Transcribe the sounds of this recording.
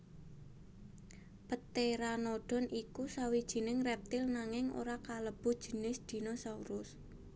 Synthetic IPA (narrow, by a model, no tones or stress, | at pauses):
pət̪eɾanoɖ̥ɔ̤nʔikusawid̥ʒ̥i̤nɪŋrɛp̚t̪ɪlnaŋɪŋo̰ɾakaləb̥ṳd̥ʒ̥ə̤nɪsd̪̥i̤nosauɾʊs